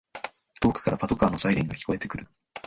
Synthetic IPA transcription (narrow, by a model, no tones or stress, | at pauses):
t̪o̞ːkɯ̥kaɾapat̪o̞kaːnosaiɾʲẽŋɡakʲi̥ko̞e̞t̪e̞kɯ̟ɾɯ̟